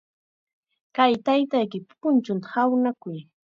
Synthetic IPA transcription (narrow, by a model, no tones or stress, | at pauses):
kajt̪ajt̪ajkɪppʊnt͡ʃʊnt̪ḁhawnakʊj